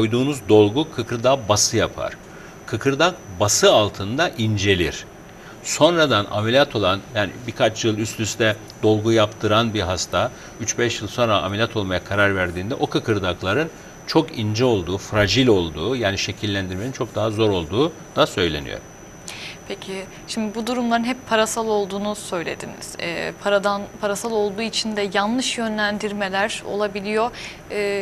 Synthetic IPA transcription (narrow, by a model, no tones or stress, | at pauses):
ojd̪uːnuzd̪o̞lˠɡukʰɯkʰɯɾd̪abasɯjapʰa̰ɾ̥ | kʰɯkʰɯɾd̪ak̚basɯalˠt̪ʰɯnd̪aʔind͡ʒe̞lʲiɾ̥ | so̞nɾad̪ana̰melʲijat̪ʰo̞lˠanjaːnbikʰat͡ʃjɯlˠyslyst̪ɛ | d̪o̞lˠɡujapt̪ʰɯɾanbiɦast̪ʰa | yt͡ʃbɛʃjɯlˠso̞nɾa̰ːmelʲjat̪ʰo̞lˠmajakʰaɾaɾvæɾd̪iːnd̪ɛʔo̞kʰɯkʰɯɾd̪aklˠaɾɯn | t͡ʃʰo̞kind͡ʒɛo̞lˠd̪uːfɾaʒilʲo̞lˠd̪uːjaːniʃe̞cʰilʲːænd̪iɾmenint͡ʃʰo̞k̚d̪aɦazo̞ɾo̞lˠd̪uː | d̪̥asø̞jlʲe̞̰nḭjo̰ɾ | pʰecʰi | ʃimd̪ibud̪uɾumlˠaɾɯnɦɛpːʰaɾasalˠo̞lˠd̪uːnusø̞jlʲe̞̰d̪ḭnḭz̥ɛ̰ːpʰaɾad̪anpʰaɾasalˠo̞lˠd̪uːit͡ʃʰind̪ɛjanlˠɯʃjø̞nlʲænd̪iɾme̞lʲæɾo̞̰lˠabilʲijo̞ | ɛː